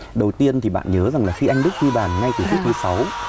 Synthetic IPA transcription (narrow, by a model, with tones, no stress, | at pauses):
ɗə˨˩wt̪i˧ənt̪ʰi˨˩ɓa̰ː˧˨nɲəː˨˦za˨˩ŋlaː˨˩xi˧ʔa˧jŋ̟ɗɨ˦˥k̚zi˧ɓaː˧˩nːa˧jt̪ɨ˨˩t͡ɕʰt̚kʰɨ˨˦sa˨˦w